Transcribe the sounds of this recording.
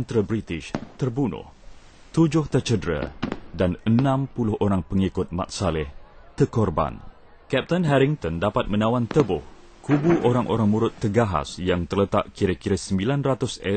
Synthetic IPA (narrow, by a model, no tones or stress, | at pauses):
ənt̪ɾəbɾit̪ɪʃt̪ərbunʊ̰h | t̪ud͡ʒʊht̪ərt͡ʃədɾa̰danənãmpulʊhʔoɾaŋpəŋikʊt̪̚ma̰k̪̚salɛh | t̪əkɔrba̰n | kɛp̚t̪ənɦɛɾiŋt̪ɔndapat̪̚mə̃nãwant̪əbʊh | kubuʔoɾaŋʔo̰ɾaŋmuɾʊt̪ːəɡaɦa̰sjaŋt̪ərlət̪a̰ʔkiɾakiɾasəmbilanrat̪ʊsə